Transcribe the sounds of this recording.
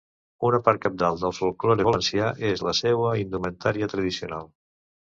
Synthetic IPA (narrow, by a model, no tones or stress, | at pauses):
unəpaɾt̪̚kəp̚d̪alˠd̪əlˠsfolˠkloɾəβələnsjaʔezləsɛwəind̪umənt̪aɾiət̪ɾəðisiunalˠ